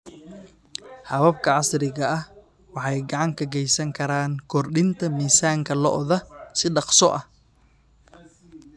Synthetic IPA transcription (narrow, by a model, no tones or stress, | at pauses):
hɐβɐbkʰɐʕɑsɾɪɣɐɐh | wɑħɑjɡɑʕɑŋkʰɐɡɛjsɐŋkʰɐɾaːŋkʰɔrɖɪnt̪ʰɐmiːsaːŋkʰɐlɔʔðɐsɪɖɑqsɔʔɐh